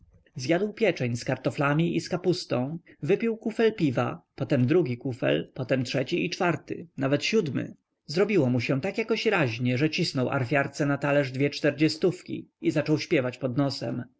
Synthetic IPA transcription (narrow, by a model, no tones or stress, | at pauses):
zjad̪wpʲjɛt͡ʂɛɲskaɾt̪ɔflamʲiʔiskapust̪ɔ̃w̃vɘpʲiwkufɛlpʲiva̰pɔt̪ɛmd̪ɾuɡʲikufɛ̰lpɔt̪ɛmtʂɛt͡ɕiit͡ʂfaɾt̪ɘ̰navɛt̪ɕud̪mɘ̰ | zɾɔbʲiwɔmuɕɛt̪akjakɔɕɾaʑɲɛʐɛt͡ɕisnɔwʔa̰ɾfʲjaɾt̪sɛnat̪alɛʐd̪vʲjɛt͡ʂt̪ɛɾd͡ʑɛst̪ufkʲḭizat͡ʂɔwɕpʲjɛvat͡ɕpɔd̪nɔsɛ̰m